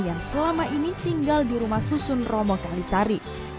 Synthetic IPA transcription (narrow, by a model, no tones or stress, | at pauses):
jaŋsəlamaʔinit̪iŋɡaldiɾumahsusʊnrɔmɔkalisaɾi